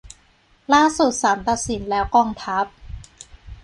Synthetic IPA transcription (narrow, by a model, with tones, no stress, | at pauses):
laː˥˩su˨˩t̪̚sa˩˦mt̪a˨˩t̪̚si˩˦nlɛː˦˥wkɔː˥˩ŋt̪ʰa˦˥p̚